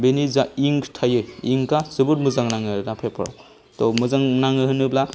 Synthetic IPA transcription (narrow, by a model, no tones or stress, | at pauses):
benizaiŋktʰajɯiŋkazɯbɯɾmɯzaŋnaŋɯnapʰepʰɯɾa̰w | tɔmɯzaŋnaŋɯɦɯnɯbla